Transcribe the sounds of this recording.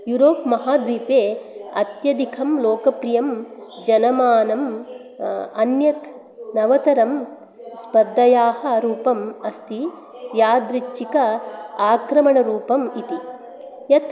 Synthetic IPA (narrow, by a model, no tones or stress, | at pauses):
juɾoːpmɐɦaːd̪ʋiːpeːɐ̰t̪jɐd̪ikʰɐmloːkɐpɾijɐmd͡ʒɐnɐmaːnɐm | ɐnjɐt̪ | nɐʋɐt̪ɐɾɐm | spɐɾd̪ɐjaːhɐɾuːpɐmɐst̪i | jaːd̪ɾit͡ʃːikɐaːkɾɐmɐɳɐɾuːpɐmit̪i | jɐt̪